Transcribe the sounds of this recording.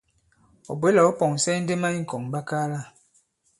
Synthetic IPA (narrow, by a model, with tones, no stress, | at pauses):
o̰˨bwe˨˦la˨ɔ˦pɔ˨ŋ˨sɛ˦n̩˦de˦ma˦i˦ŋ̩˨kɔ˨ŋba˦kaː˦la˦˨